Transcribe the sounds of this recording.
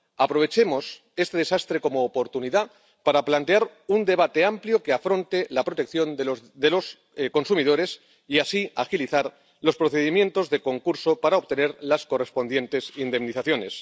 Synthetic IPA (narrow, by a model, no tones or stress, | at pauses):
apɾo̞β̞e̞t͡ʃe̞mo̞s | e̞st̪e̞ð̞e̞sast̪ɾe̞ko̞moːpo̞ɾt̪uniða | paɾaplant̪e̞aɾund̪e̞β̞at̪e̞ampljokeafɾo̞nt̪e̞lapɾot̪e̞kθjo̞nod̪elo̞s | ko̞nsumið̞o̞ɾe̞s | iasiaxiliθaɾ | lo̞spɾoθe̞ðimjẽ̞nt̪o̞zðe̞ko̞ŋkuɾso̞paɾaoβ̚t̪e̞ne̞ɾlasko̞re̞spo̞nd̪je̞nt̪e̞sind̪e̞mniθaθjo̞ne̞s